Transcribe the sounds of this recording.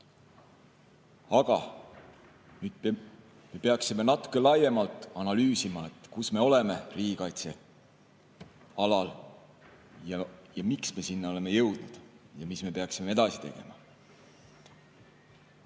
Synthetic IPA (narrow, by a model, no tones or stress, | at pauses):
ɑɡ̥ɑ | nyːd̪̥̚p | me̞pe̞ɑksime̞nɑt̪ːˑu̥kːˑe̞lɑje̞mɑlt̪ːˑɑnɑlyːsimɑe̞t̪ˑkusme̞o̞le̞me̞riːɡ̥ʲikɑjt̪se̞ | ɑlɑl | jɑjɑmiksme̞sinːo̞le̞me̞jɤwd̪̥nud̪̥jɑmisme̞peɑksime̞e̞d̪̥ɑsi̥t̪e̞̰ɡ̥e̞̰mɑ̰